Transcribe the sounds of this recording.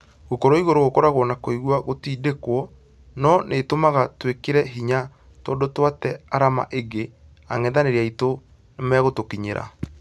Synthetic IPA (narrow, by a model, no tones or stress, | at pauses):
ɣokɔɾoiɣoɾoɣokɔɾaɣwɔnakoiɣwaɣotiːdekwɔ | nɔnʔetomaɣatwekeɾɛɦiɲa | tɔːndotwatɛaɾama̰ʔeɡe | aŋɛðaneɾaito | nemɛɣotokiɲeɾa̰